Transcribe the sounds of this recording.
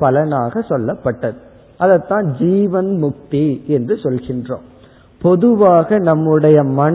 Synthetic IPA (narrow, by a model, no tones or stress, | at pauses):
pɐlɐnaːɣɐsɔlːɐpːɐʈːɐðɯ | ʔɐðɐt̪ːãːd͡ʒiːʋɐnmʊk̚t̪iɛndrɯsɔlɣɪndrõ̰ːm | pɔðɯʋaːɣɐnɐmːɯɽɐjɐmɐɳ